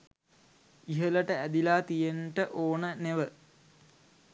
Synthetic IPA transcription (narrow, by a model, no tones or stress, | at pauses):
iɦələʈəæd̪ilaːt̪ijenʈəʔoːnəneʋə